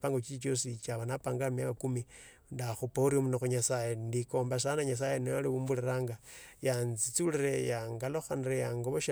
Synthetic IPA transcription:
paːŋɡot͡ʃit͡ʃit͡ʃo̞sit͡ʃaβanapaːŋɡaamijakakumi | ndaxupouɾiomunoxuɲasajendiko̞ːmbaʃ̬anaɲas̬ajenojaliβuːmbuliɾaːŋɡajanzit͡suliɾejaŋɡaloxanirejaŋɡoβoʃe

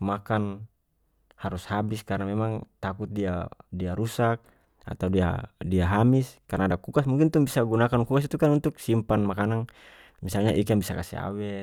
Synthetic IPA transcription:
makan | haɾushabiskaɾnamɛmaŋt̪akut̪̚diadiaɾusak̚ | a̰t̪audia̰diaɦamiskarnadakukasmuŋkint̪uŋbisaɡunakankukas̬it̪ukanunt̪uk̚simpanmakanaŋ | misalɲaʔikaŋbisaka̰sḭa̰wɛ

